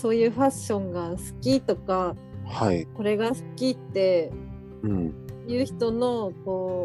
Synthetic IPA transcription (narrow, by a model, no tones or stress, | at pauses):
so̞ːjɯ̟ːɸaɕõ̞ŋɡasɨ̥kʲit̪o̞kahaiko̞ɾe̞ɡasɨ̥kʲit̪ːe̞ | ɯ̟̃ɴjɯ̟ːçi̥t̪o̞no̞koː